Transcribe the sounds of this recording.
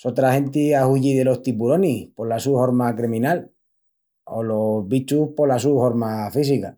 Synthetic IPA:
sot̪ɾahe̞nt̪iauʝiðe̞lo̞st̪ipuɾo̞nihpo̞lasuhoɾmakɾimĩnal | o̰lo̞βit͡ʃuhpo̞lasuhoɾmafis̬ika

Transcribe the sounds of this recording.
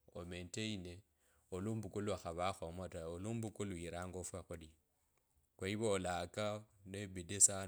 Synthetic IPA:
omenteine | olumbukuluaxaβaxomataoluːmbukuluiɾaːŋɡofwaxuli | kwaiβolakanebidesa

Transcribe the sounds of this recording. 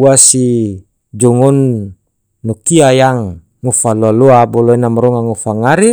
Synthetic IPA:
uasi | d͡ʒɔŋɔnː | ɔkiajaŋː | ufaloalɔabɔlɔɛnamɾɔŋaŋufaŋaɾi

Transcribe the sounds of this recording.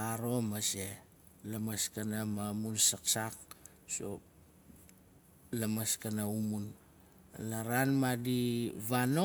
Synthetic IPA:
aɾo̞mase | lamaskanamamunsaksak̚ | so̰ | lamaskanaumun | laɾanmadiβano

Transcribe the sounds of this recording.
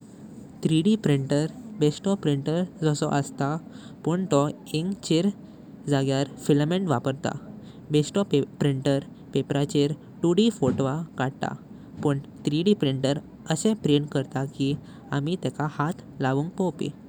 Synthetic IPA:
t̪ɾiɽipɾiɳʈəɾbesʈɔpɾiɳʈəɾd͡zɔsɔ̰ʔəst̪apəɳt̪ɔ | eŋɡt͡ɕeɾ | d͡zaɡjaɾfilmẽɳʈʋapəɾt̪a̰ | besʈɔpɾiɳʈəɾ | pepɾat͡ɕeɾ | ʈuɽifoʈʋakaɽt̪a̰ | pəɳt̪ɾiɽipɾiɳʈəɾ | əsẽpɾenkəɾt̪aki | amit̪ɛkahat̪laʋuːŋkkɔpḭ

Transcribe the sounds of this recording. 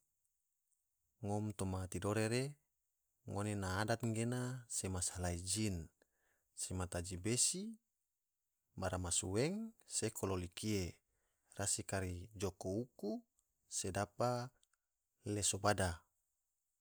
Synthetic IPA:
ŋɔmt̪omat̪idoɾeɾe | ŋonenaːdat̪̚ŋɡenasemasalaid͡ʒin | semat̪ad͡ʒibesi | baɾamasuweŋsekʰololikie | rasikaɾid͡ʒokouku | sedapa | lesobada

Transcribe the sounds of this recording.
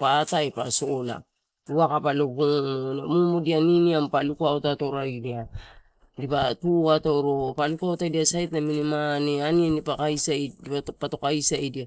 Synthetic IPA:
pataepasola̰ | uakapalopuŋmonemumodianiniampalukuaotato̞ɾajdia | dipatuato̞ɾo̞palukuaotajdiasajtnaminimaneanienipakajsajdipapato̞kajsajdia

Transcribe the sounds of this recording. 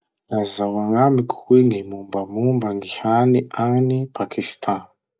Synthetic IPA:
lazawaŋamiku̥hwiŋimumbamumbaŋɡihaniʔanipʰakist̪ʰãn

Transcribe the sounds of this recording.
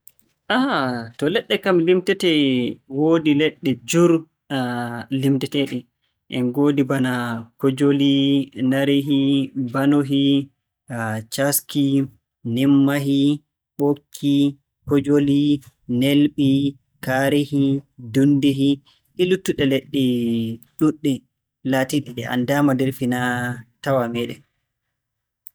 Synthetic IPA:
ʔahatɔlɛɗːɛkamlimtɛtɛwoːdilɛɗːɛd͡ʒuɾ | limtɛtɛɗɛ | ʔɛnɡodibanakɔd͡ʒolinaɾeɦibanoɦi | t͡ʃaski | nɛmːaɦi | ɓokʰːi | hɔd͡ʒoli | nelɓi | kaɾehidundiɦi | ʔilutːuɗɛleɗːɛɗuɗːɛ | latiɗiɗɛa̰ndaːmadɛɾfinatawamɛɗɛ̰

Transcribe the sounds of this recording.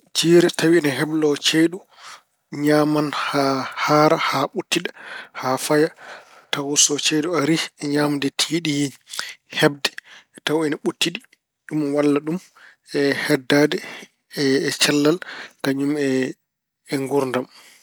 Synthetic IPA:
d͡ʒiːɾɛtawiɛnɛɦɛblɔt͡ʃeɗu | ɲamanhahaɾahaɓutːiɗḁhafaja | tawɔsɔt͡ʃeɗuaɾiɛɲamdɛtʰiːɗi | hɛbdɛ̥tawɛnaɓutːiɗi | ɗumwalːaɗum | ɛhɛdːadɛː | t͡ʃalːalkaɲumɛː | ŋɡuɾndam

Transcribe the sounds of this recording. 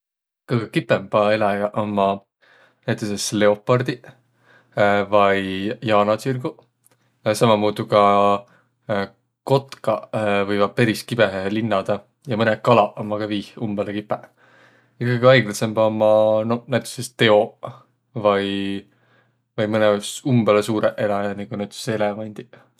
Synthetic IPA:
kɤɡekipːemb̥ɑelɑɡɑʔomːɑ | næjt̪ˑesesle̞o̞pːˑɑrd̪̥i | vɑjjɑːnɑt͡sirɡ̥u | sɑmɑmuːd̪ukɑ | ko̞t̪kɑvɤjvɑ̥pe̞ɾiskib̥eɦelinːɑd̪̥ɑ | jɑmɤnekɑlɑomːɑkɑviːhumb̥elekipːˑe | jɑkːɯɡiɑjɡlɑse̞mbomːɑnonæjt̪ːˑu̥sest̪e̞o̞ | vɑj | vɑjmɤnesumbelesuːɾeʔelɑniɡ̥unæjt̪ˑu̥se̞levɑnʲd̪̥i

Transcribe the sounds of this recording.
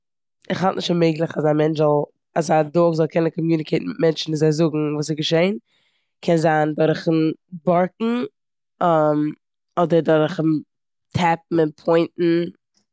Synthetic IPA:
ɪχhɔlˠtnɪʃtameɪɡlˠɪχasamɛnt͡ʃzɔlˠ | asadoːχzɔlˠkʰɛnənkʰɔmjuːnɪkʰeɪtn̩mɪt̚mɛnt͡ʃn̩vizaɪzʊɡŋ̩vuːs̬ɪɡəʃeɪn | kʰɛnzaːndɔɾχənbɔɾk̚ŋ̩ | ɔm | ɔdəɾdɔɾχn | tʰɛp̚m̩ɪnpʰɔɪntn̩

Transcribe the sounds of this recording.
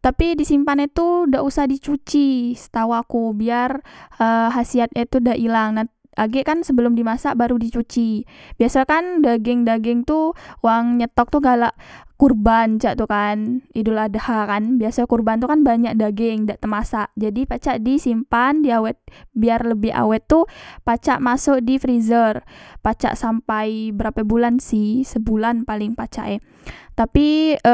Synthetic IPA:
t̪apidisimpanat̪udaʔusahdit͡ʃut͡ʃisə̥t̪awakubiarʔəɦasiat̪̚ɲat̪udaʔilaŋna | ʔaɡɛʔkansəbəlʊmdimasaʔbaɾudit͡ʃut͡ʃibiasakandaɡɪŋdaɡɪŋt̪uwaŋɲət̪ɔk̚t̪uɡalaʔkurbant͡ʃaʔt̪ukaniduladahakanbiasakurbant̪ukanbaɲak̚daɡɪŋdaʔt̪əmasaʔd͡ʒadipat͡ʃaʔdisimpandiawɛt̪̚biarləbɪha̰wɛt̪ːupat͡ʃaʔmasʊk̚difɾizərpat͡ʃa̰ʔsampajbəɾapabulansihsəbulanpalɪŋpat͡ʃa̰ʔɛ | t̪api

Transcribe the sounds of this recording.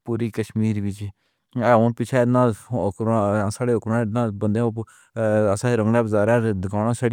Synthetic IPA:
puːɾiːkəʃmiːɾʋɪt͡ʃː | onpɪt͡ʃʰɛːɪd̪nãːkɾãsaːɽeːokɾãːɪd̪nãːbənd̪eã | əsãːɾəŋɡnaːbzaːɾaːd̪ɪkaːɽãːsaːɽi

